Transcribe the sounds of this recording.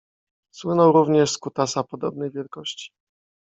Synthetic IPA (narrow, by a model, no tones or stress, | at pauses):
swɘnɔwɾuvɲɛʂskut̪asapɔd̪ɔb̚nɘjvʲjɛlkɔɕt͡ɕi̥